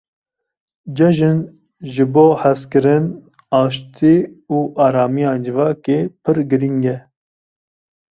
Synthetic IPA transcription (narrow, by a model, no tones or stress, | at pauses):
d͡ʒɛʒɨn | ʒɨboːhɛskɨɾɨn | ɑːʃt̪ʰiuːʔɑːɾɑːmijɑːd͡ʒɨvɑːkeːpʰɨɾɡɨɾiŋɡɛ